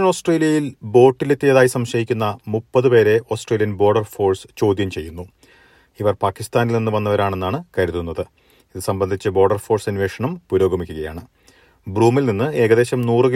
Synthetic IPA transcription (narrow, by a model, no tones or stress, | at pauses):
ɐno̞ːsʈreːlijɐjilbo̞ːʈːilet̪ːijɐðaːjisɐmɕɐjikʲːunːɐmupːɐðɨpe̞ːɾe̞ʔo̞ːsʈreːlijɐnbo̞ːrɖɐrfo̞ːrst͡ɕo̞ːd̪jɐmt͡ɕe̞jːunːu | iʋɐrpaːkːist̪aːnilninːɨʋɐnːɐʋɐɾaːɳe̞nːaːɳɨkɐɾuðunːɐðɨ | iðɨsɐmbɐnd̪ʱit͡ɕːɨbo̞ːrɖɐrfo̞ːrsɐnʋeːʂɐɳɐmpuɾo̞ːɡɐmikʲːuɣɐja̰ːɳɨ | bruːmilninːɨe̞ːɡɐðe̞ːɕɐmnuːrɨɣ